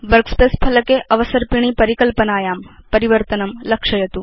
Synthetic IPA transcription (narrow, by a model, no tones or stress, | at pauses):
ʋɐɾkspeːspʰɐlɐkeʔɐʋɐsɐɾpiɳ̃ipɐɾikɐlpɐnaːjaːmpɐɾiʋɐɾt̪ɐnɐmlɐkʂɐjɐt̪u